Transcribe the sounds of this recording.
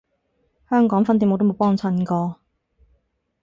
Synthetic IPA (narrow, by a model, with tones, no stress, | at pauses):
hœː˥ŋkɔː˨˥ŋfɐ˥nt̪iː˧˨mo˨˧t̪mo˨˧˥pɔː˥ŋt͡sʰɐ˧nkɔː˧